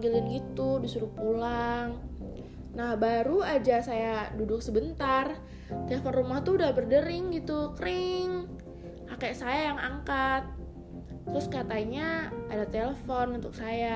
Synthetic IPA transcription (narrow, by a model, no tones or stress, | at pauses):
ɡilɪnɡit̪udisuɾʊpulaŋ | nahbaɾuad͡ʒasajadudʊk̚səbənt̪ar | t̪elefɔnrumaht̪uudahbərdəɾɪŋɡit̪ukəɾɪŋ | akɛʔsajajaŋaŋkat̪̚ː | ɾʊskat̪aiɲaadat̪eləfɔnunt̪ʊk̚saja